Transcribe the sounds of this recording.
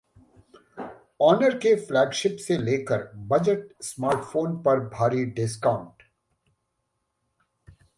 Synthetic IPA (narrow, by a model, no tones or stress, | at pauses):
ɔːnəɾkeflɛːɡʃɪpseleːkəɾbɐd͡ʒəʈ̚smaːɾʈfoːnpɐɾbʱaːɾiɖɪskãʊ̃ɳʈ